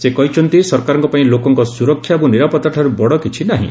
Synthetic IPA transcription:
sekɔɦit͡ʃʰɔnt̪isɔɾkaɾɔŋkɔpaĩlokɔŋkɔsuɾɔkʰːjabuniɾapɔt̪ːaʈʰaɾubɔɽɔkit͡ʃʰinaɦḭ̃

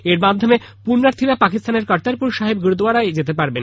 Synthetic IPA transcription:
eɾmad̪ʱome | punːaɾt̪ʰiɾapakist̪ʰaneɾkaɾt̪aɾpuɾʃaɦibɡɾod̪oaɾaed͡ʑet̪epaɾben

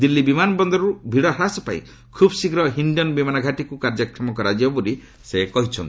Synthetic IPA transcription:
d̪ilːibimanɔbɔnd̪ɔɾɔɾubʱiɽɔɦɾasɔpaḭ̃ | kʰubɔsikɾɔɦinɖɔnbimanɔɡʱaʈikukaɾd͡ʒɔkʰɾɔmɔkɔɾad͡ʒjɔbuɾi | sekɔɦit͡ʃʰɔnt̪i

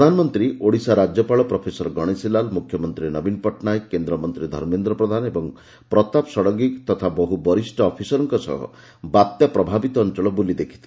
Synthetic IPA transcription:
pd̪ʱanɔmɔnt̪ɾiʔoɽisaɾad͡ʒjɔpaɭɔpɾɔpʰesɔɾɔɡɔɽ̃esilalmukʰjɔmɔnt̪ɾinɔbinpɔʈnajkend̪ɾɔmɔnt̪ɾid̪ʱɔ̰ɾmend̪ɾɔpɾɔd̪ʱanebɔŋ | pɾɔt̪apsɔɽɔɡikt̪ɔt̪ʰabɔɦubɔɾisʈɔːpʰisɔɾɔŋkɔsɔ̰ɦɔ̰ | bat̪japɾɔbʱabit̪ɔːnt͡ʃɔɭɔbulid̪ekʰi̥t̪ʰi̥

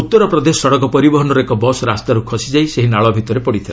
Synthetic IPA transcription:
ut̪ːɔɾɔpɾɔd̪esɔɔɽɔkɔpɔɾibɔɦɔnɔɾekɔbɔsɾast̪aɾukʰɔsid͡ʒajseɦinaɭɔbʱit̪ɔɾepɔɽit̪ʰila

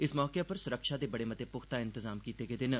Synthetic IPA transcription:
ɪsmɔːkepɐɾsʊɾəkʃad̪eːbɐɽemɐt̪epʊxt̪aɪ̃nt̪ɪzaːmkiːt̪eɡed̪ɪn

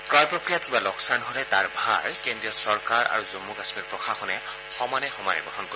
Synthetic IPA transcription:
pɹajpɹokɹijatkibalɔksanɦolɛtaɹbʱa̰ɹkendɹijɔtsɔɹkaɹa̰ɹuzomːuɡasmiɹpɹɔxʰaxɔnɛ | xɔmanɛxɔmanɛ̰bʱɔɦɔnko

